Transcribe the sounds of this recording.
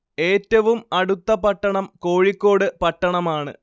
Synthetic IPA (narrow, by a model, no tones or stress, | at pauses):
e̞ːtːɐʋumɐɽut̪ːɐpɐʈːɐɳɐmko̞ːɻikʲːo̞ːɽɨpɐʈːɐɳɐmaːɳɨ̰